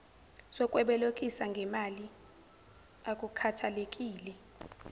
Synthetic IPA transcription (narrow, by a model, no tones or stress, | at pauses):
sɔkʼwɛɓɛlokʼisaŋɡʱɛmali | akʼukʰatʰalek̬ʼiːlɛ